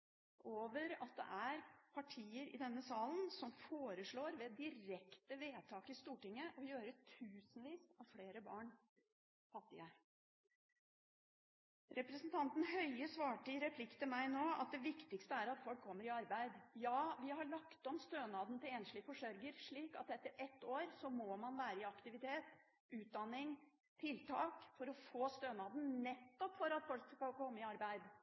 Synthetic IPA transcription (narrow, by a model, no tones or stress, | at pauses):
ʔoːʋəɾɑt̪̚d̪ɛ̰ʔæɾpʰɑʈʰiːəɾɪ̰d̪ɛnːəsɑːlənsɔmfoːɾəʂɭoːɾʋɛd̪ɪɾɛkt̪əʋeːt̪ʰɑːkɪst̪uːʈɪŋːəʔɔjøːɾət̪ʰʉːsnʋiːsɑʋfleːɾəbɑːɳ | fɑt̪ːɪ̰ə | ɾɛpɾɛsnt̪ʰɑnt̪n̩hœʏəsʋɑːʈəɾɛpʰlɪkt̪əmæɪnoːɑ̰t̪̚d̪ɛʋɪkt̪ɪkst̪əæɾɑt̪fɔlkʰːɔmːəɾɪɑɾbæɪd̪jɑːʋɪhɑɭɑkt̪ɔmst̪øːnɑːd̪nət̪ʰɪleːnʂɭɪfɔʂœɾɡəɾʂɭiːkɑt̪ɛt̪ːəɾɛt̪ːoːɾsɔmɔmɑnʋæːɾəɪɑkt̪ɪʋɪt̪ʰeːt̪ | ʉːt̪̚d̪ɑnːɪŋ | t̪ʰɪlt̪ʰɑːkfɔɾɔfoːst̪øːnɑːd̪n̩nɛt̪ːɔpfɔɾɑt̪fɔlkskɑlkʰɔmːəɪɑɾbæɪd̪